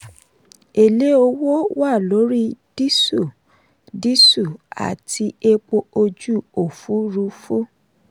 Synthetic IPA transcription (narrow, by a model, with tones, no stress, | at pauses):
e˨le˦o˧wo˦wa˦˨lo˨˦ɾi˦d̥i˦su˦˨ | di˦su˦˨a̰˨ti˧e˧k͡po˧o˧d͡ʒu˦o˨fu˨˦ɾu˧fu˦